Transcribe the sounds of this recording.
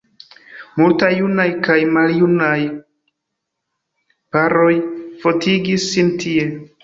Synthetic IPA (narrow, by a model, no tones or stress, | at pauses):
multajːunajkajmaljunaj | paɾo̞jfo̞tʰiɡisːintie̞